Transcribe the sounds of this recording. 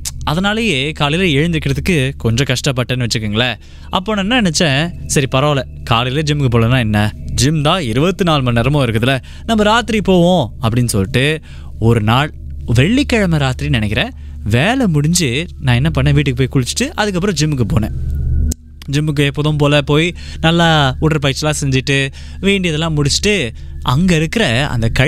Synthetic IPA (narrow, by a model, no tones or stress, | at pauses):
ɐðɐnaːlɐjeːkaːɭɪleɛɻɯnd̪ɾkːɪɾɐðɯkːɯkɔɲd͡ʒõkɐʂʈɐp̬ːɐʈːɐnːɯʋɐt͡ʃːɯɾɯkːɯŋɡɐɭɐ | ʔɐpːoːnɐɛnːɐnɛnɛt͡ʃːɛ̃ːsɐɾipɐɾɐːlɛ | kaːɭɪled͡ʒɪmkːɯp̬oːlɐnãːɛnːɐd͡ʒɪmd̪ãːɪɾɯʋɐt̪ːɯnaːlmɐnnɛɾɐmõːɪɾɯkːɐðɯlɐ | nɐmːɐɾaːt̪ːɪɾipoːʋõːɐpːɐɽɪnːɯsɔlːɪʈːɯ | ɔɾɯnaːɭ | ʋɛɭːikːɐɻɐmɐɾaːt̪ɪɾinɪnɛkːɪɾẽː | ʋeːlɛmʊɽɪɲd͡ʒɯnãːɛnːɐpɐɳːẽːʋiːʈːɯkːɯp̬oːjikʊɻɪt͡ʃːɯ̥ʈːɯʔɐðɯkːɐp̬ːɯɾɔ̃d͡ʒɪmːɯk̬ːɯpoːnḛ̃ː | d͡ʒɪmːɯk̬ːɯɛpːɔːðɐ̃mpoːlɐpoːji | nɐlːɐuːʈːɐɾpɐjɪɾt͡ʃːɪlãːsɛɲd͡ʒɪʈːɯ | ʋeːɳɖɪɐðɛlːãːmʊɽɪt͡ʃːɯ̥ʈːɯɐŋɡɐɪɾɯkːɪɾɐɐ̰nd̪ɐkɐ